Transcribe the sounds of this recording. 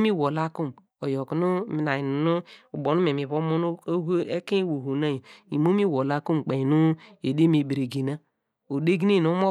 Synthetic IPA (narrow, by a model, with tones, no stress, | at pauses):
mi˦wo˨la˦ku˦m | o˨jo˨ku˨nu˦mi˨na˨ji˨n˨nu˦u˨bo˨nu˦me˨mi˨βo˦mo˦nu˦e˦ke˦wo˨ɦo˨na˦ji˨mo˦mi˦wo˨la˦ku˦m˨k͡pe˨nu˦e˨de˦mi˨bi˨ɾe˨ɡi˨na˦ | o˨de˦ɡi˦e˦˨no˦mo˦